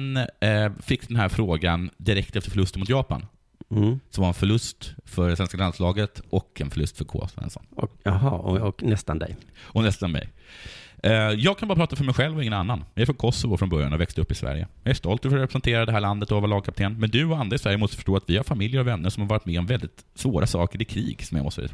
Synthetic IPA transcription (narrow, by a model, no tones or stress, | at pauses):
n | fɪkːd̪ɛnɦæːɾfɾoːɡand̪ɪɾɛk̚t̪ɛft̪əɾfœɭɵst̪ənmʊt̪jɑːpa̰n | sɔmvaɾɛnfœɭɵst̪fœɖɛsvɛnskaland̪slɑːɡət̪ɔkʰɛnfœɭɵ̰st̪fœɾkʰɔ̰svɛ̰nsɔ̰nːɦɑːɔknɛst̪a̰nd̪ɛ̰jɔnɛst̪anmɛ̰j | jɑːɡ̚kʰanbɑːɾapʰɾɑːt̪afœɾmɛjɧɛlvɔɪŋːənanːanjɑæɾfɔkʰɔsːɔvʊfɾɔnbœɾjanɔvɛkst̪əɵpːɪsvæ̰ɾjə̰jɑæʂst̪ɔlt̪fœɾɔɾɛpɾɛsɛnt̪ʰeːɾad̪ɛɦæːɭand̪ət̪ɔavalɑːɡ̚kʰap̚t̪ʰeːnmɛnd̪ɵɔand̪ɾaɪsvæɾjəmɔst̪ə̥fœʂʈoːat̪vɪhaɾfamɪljəɾɔvɛnːəʂɔmaɾvɑːɾɪt̪mɛɔmvɛld̪ɪt̪ | svoːɾʔasɑ̰ːkəɾɪkʰɾḭːɡsɔmja̰mɔst̪ː